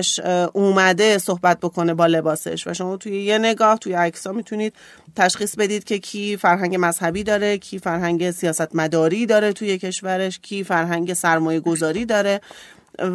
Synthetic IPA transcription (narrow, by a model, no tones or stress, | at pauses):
ʃʔuːmæd̪e̞so̞hbæt̪̚bo̞kʰo̞ne̞bɒːle̞bɒːsḛʃvæ̰ʃo̞mɒːt̪ʰujeje̞ne̞ɡɒːht̪ʰujeæcsɒːmit̪ʰuniːd̪̥̚ | t̪ʰæʃχiːsbe̞d̪iːd̪̚cʰʲe̞cʰiːfæɾɦæŋɟe̞mæz̥hæbiːd̪ɒːɾe̞cʰiːfæɾɦæŋɟe̞sijɒːsæt̪mæd̪ɒːɾiːd̪ɒːɾet̪ʰuje̞cʰe̞ʃvæɾe̞ʃcʰiːfæɾɦæŋɟe̞sæɾmɒːje̞ɡo̞zɒːɾiːd̪ɒːɾe̞